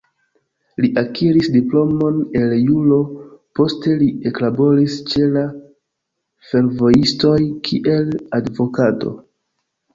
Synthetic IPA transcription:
liʔakʰiɾisdiplo̞mo̞ne̞ljulo̞po̞ste̞lie̞klabo̞ɾist͡ʃe̞la | fe̞ɾvo̞jisto̞jkʰiʔe̞ladvo̞kato̞̰

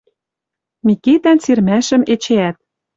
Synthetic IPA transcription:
miket̪ænt͡sirmæʃɘ̆met͡ɕeæt̪̚

